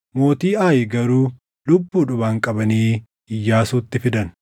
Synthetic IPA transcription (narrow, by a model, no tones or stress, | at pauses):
mo̞ːt̪iːʔaːjɪɡɐɾuː | lʊbːuːᶑʊbaːŋkʼɐbɐniː | ɪjːaːsuːt̪ːɪfɪd̪ɐn